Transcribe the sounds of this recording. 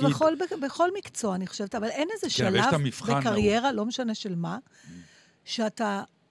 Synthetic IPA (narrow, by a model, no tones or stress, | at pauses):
beχolbbeχo̞lmikt͡so̞aːniχo̥ʃevetavalenezeʃalavamifχbekaʁjje̞ʁalo̞meʃane̞ʃe̞lma | ʃeata